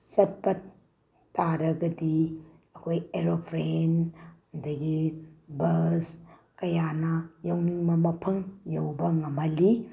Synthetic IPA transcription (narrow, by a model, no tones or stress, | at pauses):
sɐt̚bɐt | taɾɐɡɐdi | ɐkʰojeɾopʰɾen | ndɐɡibɐs | kɐjanɐjɐwniŋmɐmɐpʰɐŋjɐwbɐŋɐmɐli